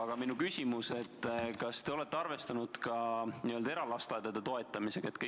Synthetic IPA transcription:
ɑɡ̥ɑminukysʲimuse̞t̪ːˑkɑst̪e̞o̞le̞t̪ːˑeɑrve̞st̪ɑnud̪̥kɑniøld̪ɑe̞ɾɑlɑst̪ɑd̪ɑd̪̥et̪o̞e̞t̪ːˑɑmise̞ɡ̥ɑe̞t̪kɯ

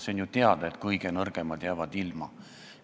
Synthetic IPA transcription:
senjut̪eɑd̪̥ɑe̞t̪kɤjɡ̥enɤrɡ̥emɑd̪̥jæːvɑd̪ilmɑ

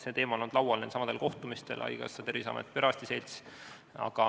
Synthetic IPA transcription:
se̞ːt̪e̞ːmɑonond̪lɑwɑlnensɑmɑd̪elko̞ht̪umist̪e̞̰lʔɑ̰jkɑ̰sːɑt̪eɾisɑ̰mḛt̪ːˑpe̞ɾɑst̪ise̞jlʲt̪s | ɑ̰ɡ̥ɑ

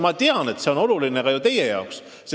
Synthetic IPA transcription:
mɑt̪eɑne̞t̪ːse̞o̞no̞luline̞kɑjut̪e̞jejɑ̰oksː | e

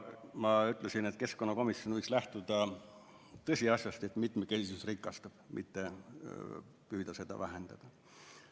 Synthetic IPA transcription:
mɑyt̪ˑlesinet̪̚ke̞sko̞nːɑko̞misjo̞nvɤjkslæht̪ud̪̥ɑ | t̪ɤsʲiɑsʲjɑst̪e̞t̪mit̪mekesisusrikːˑɑst̪ɑb̥mʔḭt̪ːe | pyːd̪̥ɑse̞d̪̥ɑ̰væɦend̪̥ɑ̰d̪̥ɑ

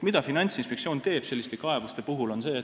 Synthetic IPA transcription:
mid̪̥ɑfinɑnʲt̪sinspek̚sio̞ːnt̪e̞ːb̥se̞lːist̪ekɑe̞vust̪e̞puɦulo̞nse̞ː

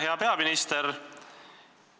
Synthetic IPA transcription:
he̞ɑpe̞ɑminist̪eɾ

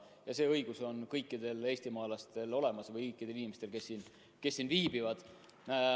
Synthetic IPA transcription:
jɑse̞ːɤjɡ̥uso̞nkɤjkːid̪̥e̞le̞ːsʲt̪imɑːlɑst̪e̞lo̞le̞mɑsvɤjkɤjkːˑid̪̥elinimest̪e̞lke̞sːin | ke̞sːinviːb̥ivɑd̪̥

